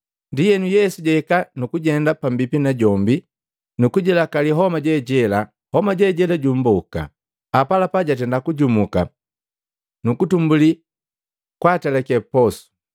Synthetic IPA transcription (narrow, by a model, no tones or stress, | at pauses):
ndijɛnujɛsuɟɛkanukuɟɛndapambipinaɟɔmbi | nukuɟɛlakaliɦɔmaɟɛɟɛla | hɔmaɟɛɟɛlaɟum̩bɔka̰ | apalapaɟat̬ɛndakuɟumuka̰ | nukutumbuli | kwatalɛkɛpɔsu̥